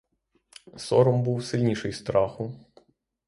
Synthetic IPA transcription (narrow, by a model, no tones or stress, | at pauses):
sɔɾɔmbuwsɪlʲnʲiʃɪjst̪ɾɑxʊ